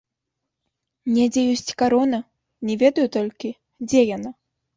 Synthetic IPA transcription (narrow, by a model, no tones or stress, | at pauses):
nʲɛd͡zʲɛjɔsʲt͡sʲkaɾɔnɐ | nʲɛvʲɛd̪ɐjut̪ɔlʲkʲi | d͡zʲɛjana